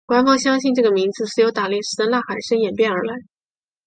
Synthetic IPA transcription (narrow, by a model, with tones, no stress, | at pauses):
kwa˧˥nfɑ˥ŋɕjɑ˥ŋɕi˥˧nʈ͡ʂɤ˥˩ɡə˩mi˧˥d͡zɹ̩˧ʂsɹ̩˥jo˧˥ʊt̪a˨˩ljɛ˥˩nʂɻ̩˥t̪ə˧la˥˩xa˨˩ɪʂə˥njɛ˨˩npjɛ˥˩nə˞˧˥la˧˥ɪ